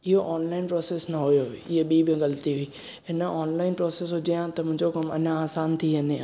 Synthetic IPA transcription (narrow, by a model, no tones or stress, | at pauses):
ɪɦoʔaːnlaːɪnpɾoːseːsnɐɦʊjoɪɦəɓiːbɪ̃ɣɐlt̪iɦʊiː | ɦɪnəaːnlaːɪnpɾoːseːsɦʊd͡ʑijãt̪ɐmʊ̃ɦɪ̃ɲd͡ʑokɐmɐ̰ɲãaːsaːnt̪ʰiɦɐne